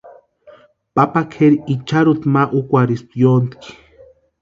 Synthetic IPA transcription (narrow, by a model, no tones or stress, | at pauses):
papakʰeɾiit͡ʃaɾut̪maʔukʷaɾist̪jont̪i̥ki̥